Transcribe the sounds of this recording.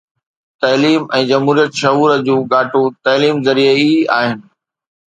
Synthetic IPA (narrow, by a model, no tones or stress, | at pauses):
t̪ɐːliːmɛ̃ːd͡ʑɐmɦuːɾijət̪ʃɐɦuːɾəd͡ʑũːɡaːʈut̪ɐːliːmzɐɾieiaːɦɪnɪ̆